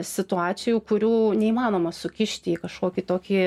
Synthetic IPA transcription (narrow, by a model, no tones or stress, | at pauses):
sʲɪt̪ʊɑːsʲɪjuːkʊɾʲuːnʲɛiːmɑːnoːmɐsʊkʲɪʃʲt̪ʲɪiːkɐʃkoːkʲit̪oːkʲiː